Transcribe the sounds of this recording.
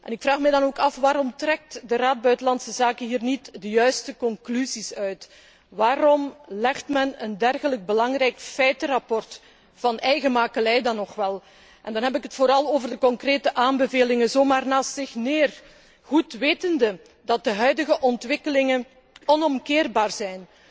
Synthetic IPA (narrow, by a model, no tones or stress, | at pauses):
ʔɛ̰nɪkfraːxmɛjdɑnoːkɑfʋaːɾɔmtrɛk̚tdəraːd̚bœɥtəlɑntsəzaːkəɦiːrnitdəjœɥstəkɔŋklyzisœɥt | ʋaːɾɔmlɛxtmɛnəndɛrɣələɡ̚bəlɑŋrɛjkfɛjtərɑpɔrt | fɑnɛjɣəmaːkəlɛjdɑnːɔxʋɛlˠ | ʔɛndɑnɦɛpɪkɦətfoːɾɑlˠoːvərdəkɔŋkreːtəʔaːmbəveːlɪŋənzoːmaːrnaːstzɪxneːr | ɣutʋeːtəndə | dɑt̚dəɦœɥdəɣəʔɔntʋɪkəlɪŋən | ɔnɔmkɪːrbaːrzɛjn